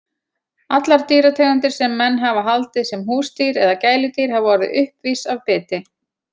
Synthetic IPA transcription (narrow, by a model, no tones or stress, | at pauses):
at̪laɾ̥t̪iːɾat̪ʰɛːɣant̪ɪɾ̥sɛmːɛnːɦavaɦalt̪ɪsɛmɦuːst̪iːɾɛðacaːjlʏt̪iːɾ̥havvɔɾɪðʔʏhpviːsavpɪːt̪ɪ